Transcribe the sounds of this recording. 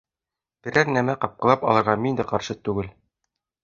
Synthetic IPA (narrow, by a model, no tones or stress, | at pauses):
b̥ɘ̆ɾæɾnæmæqɑp̚qɤ̆ɑpɒ̰lˠɤ̆ɾʁɑmind̪ɘqɑɾʃɤt̪ʉɡɘl